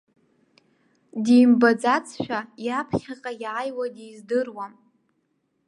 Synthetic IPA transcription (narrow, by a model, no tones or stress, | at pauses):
dijmbad͡zat͡sʰʃᶣajapʰχʲaqʼajaːjwadijzdɨrwam